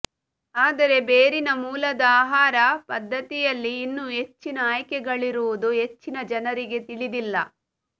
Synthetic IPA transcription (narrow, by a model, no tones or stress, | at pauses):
aːd̪ɐɾe̞beːɾinɐmuːlɐd̪ɐaːɦaːɾɐpɐd̪ʱːɐt̪ijɐlːiːnːuɦe̞t͡ʃːinɐaːjɐkɛɡɐɭiɾuʋud̪uɦe̞t͡ʃːinɐd͡ʒɐnɐɾiɡe̞t̪iɭid̪ilːɐ